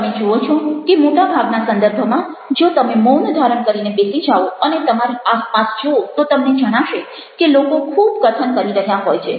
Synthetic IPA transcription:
t̪əmed͡ʒoot͡ʃʰokemoʈabʱaɡnasə̃nd̪əɾbʱomã | d͡ʒot̪əmemond̪ʱaɾəɳkəɾinebesid͡ʒaʋoənet̪əmaɾeaspasd͡ʒoot̪ot̪əmned͡ʒəɽ̃aʃe | kelokokʰubkət̪ʰənkəɾiɾəɦjaɦɔjt͡ʃʰe

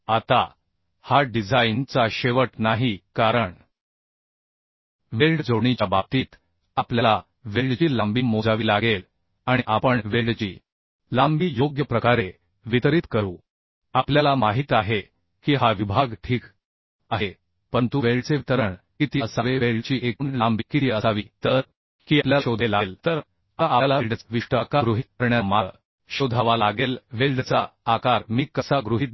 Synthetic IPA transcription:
at̪a | haɖid͡zʱaint͡saɕeʋəʈnaɦikaɾəɳ | ʋelɖd͡zoɳ̃it͡ɕabab̚t̪iːt̪ | apljala | ʋelɖt͡ɕiːlambiːmod͡zaʋiːlaɡel | aɽ̃iʔapəɳʋelɖt͡ɕḭː | lambiːjoɡjəpɾəkaɾe | ʋit̪əɾiːt̪kəɾuː | apljalamaɦit̪aɦe | kiːɦaʋibʱaɡʈʰiːk | aɦe | pənt̪uʋeɭɖt͡seʋit̪əɾəɳkiːt̪iəsaʋeʋeɭt͡ɕiːʔekuːnlambikit̪iəsaʋiːt̪əɾ | kiːapljaɕod̪ʱelalt̪əɾ | aʔalalɖt͡sʋiʂʈəkaɡɾuɦit̪̚kəɾɳjama | ɕod̪ʱaʋalaɡelʋelɖt͡saːkaɾmiːkəsaɡɾuɦiːt̪̚

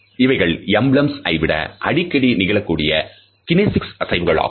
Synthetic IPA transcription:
ɪʋɐɪɣɐɭɛmbɭɐmsɐ̰ɪʋɪɽɐ̰ʔɐɽɪkːɐɽinɪɣɐɭɐkːuːɽɪjɐ | kɪneːsɪksɐsɐɪʋɯɣɐɭa̰ː

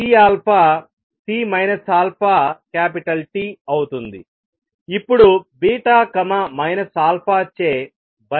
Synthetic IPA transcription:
iaːlpʰaː | siːmɐjnɐsaːlpʰaːkaːpiʈɐlʈiɐwut̪und̪i | ipːuɽubiːʈaːkɐmɐmɐjnɐsaːlpʰaːt͡ʃːeː | bɐ

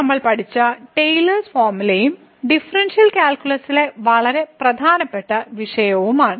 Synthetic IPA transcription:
ɐmːɐɭpɐʈʰit͡ɕːɐʈejlɐrsfaːrmulɐjum | ɖifɐrɐnʂijɐlkʲaːlkʲulɐsile̞ʋɐɭɐɾe̞prɐd̪ʱaːnɐpːe̞ʈːɐʋiʂɐjɐʋumaːɳɨ

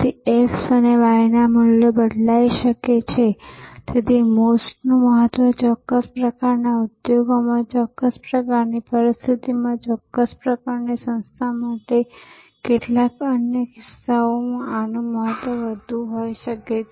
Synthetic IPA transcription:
t̪ieksəneʋaɭinamʊljəbəɽʱlaiʃəket͡ʃʰet̪ʰet̪imosʈnũməɦət̪ʋət͡ʃɔkːəspɾəkaɾnaʊd̪joɡomãt͡ʃɔkːəspɾəkaɾnipəɾist̪ʰit̪imãt͡ʃɔkːəspɾəkaɾnisə̃nst̪ʰamaʈe | keʈlakənjəkɪsːaomãanũməɦət̪ʋəʋəd̪ʱuɦojʃəket͡ʃʰ

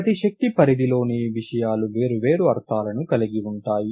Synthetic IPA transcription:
t̪iʃɐk̚t̪ipɐɾid̪ilo̞ːneʋiʂɐjaːluʋeːɾuʋe̞ːɾuɐɾt̪ʰaːlɐnukɐliɡiuɳʈaːji

